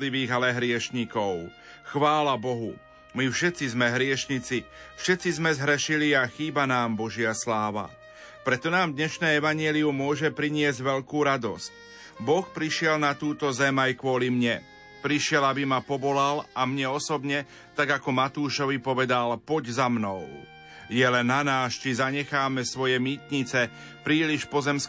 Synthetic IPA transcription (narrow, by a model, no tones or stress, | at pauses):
liʋiːɣalɛɦɾɪɛʃɲikɔʊ | xʋaːlabɔɦu | mifʃɛt̪t͡sizmɛɦɾɪɛʃɲit͡sifʃɛt̪t͡sizmɛzɦɾɛʃiliaxiːbanaːmbɔʒɪaslaːʋa̰ | pɾɛt̪ɔnaːmd̪ɲɛʃnɛːɛʋaɲɪɛliumʊɔʒɛpɾiɲɪɛzɟʋɛʎkuːɾad̪ɔsc | bɔxpɾiʃɪɛlnat̪uːt̪ɔzɛmajkʋɔlimɲɛ | pɾiʃɪɛlabimapɔbɔlalamɲɛɔsɔbɲɛ | t̪aɡakɔmat̪uːʃɔʋipɔʋɛd̪alpɔɟzamnɔʊ | jɛlɛnːanaːst͡ʃizaɲɛxaːmɛsʋɔjɛmiːt̪ɲit͡sɛ | pɾiːliʃpɔzɛmsk